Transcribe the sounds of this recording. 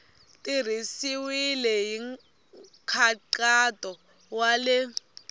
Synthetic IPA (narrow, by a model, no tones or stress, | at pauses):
tʼir̤isiwilɛjiŋ | kʰaǃatʼɔ | walɛ